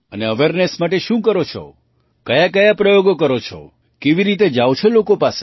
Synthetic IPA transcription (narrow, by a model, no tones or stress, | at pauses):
əneəʋeɾnesmaʈeʃũkəɾot͡ʃʰo̰ | kəjakəjapɾəjoɡokəɾot͡ʃʰo̰ | keʋiɾit̪ed͡ʒaʋwt͡ʃʰelokopase